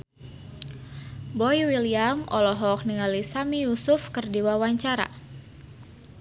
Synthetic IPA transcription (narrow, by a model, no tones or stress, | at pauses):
bɔjwiliamʔɔlɔɦɔk̚niŋalisamijusʊfkərdiwawaɲt͡ʃaɾa̰